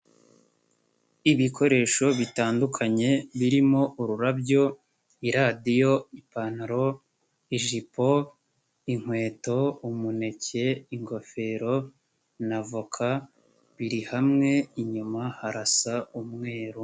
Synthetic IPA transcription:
iβikʰo̞ɾe̞ːʃo̞βitaːndukʰaɲe̞βiɾimo̞ʔuɾuɾabjo̞ | iɾadijo̞ipanaɾo̞ | iʒipo̞ | iŋ̥we̞ːto̞umune̞ce̞iŋɡo̞fe̞ɾo̞ | navukʰa | βiɾihamŋe̞iɲumahaɾasaumŋe̞ːɾu

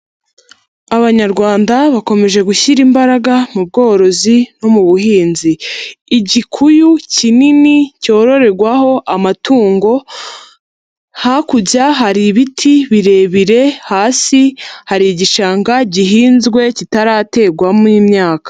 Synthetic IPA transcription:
aβaɲaɾɡwaːndaβako̞me̞ʒe̞ɡuçiɾimbaɾaɡamub̚ɡo̞ːɾo̞zino̞muβuɦiːnziː | ɟikʰujucininico̞ːɾo̞ɾe̞ɾɡwaho̞ʔamatuːŋɡo̞ | hakuɟaɦaɾiβitʰiβiɾe̞ːβiɾe̞haːsihaɾiɟiʃaːŋɡaɟiɦiːnzɡwe̞citaɾaːte̞ːɡwamnimɲaːkḁ

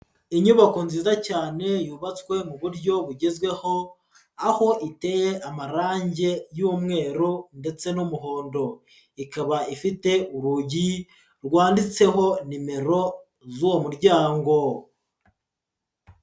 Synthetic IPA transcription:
iɲuβako̞nziːzacaːne̞juːβat͡swe̞muβuɾɟo̞βuɟe̞zɡwe̞ho̞ | aho̞ʔite̞jeʔamaɾaːɲɟe̞juːmŋe̞ːɾunde̞t͡se̞numuɦo̞ːndo̞ | ikaβaifite̞ʔuɾuɟi | ɾwaːndit͡se̞ɦo̞nime̞ɾo̞ | zuwomuɾɟaːŋɡo̞

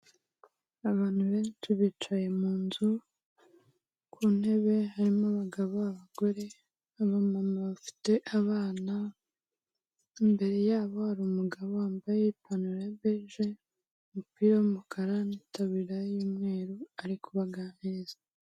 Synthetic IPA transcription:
aβaːn̥huβe̞ːnt͡ʃiβit͡ʃaje̞muːnzu | kʰun̥he̞βe̞haɾimoaβaɡaβoaβaɡo̞ɾe̞ | aβamamaβafi̥te̞ʔaβaːna | imbe̞ɾe̞jaːβo̞haɾuːmuɡaβoaːmbajeipanuɾeβeʒe | umupiːɾaumukʰaɾanitaβiɾajuːmŋe̞ːɾuaɾikuβaɡaneːzḁ

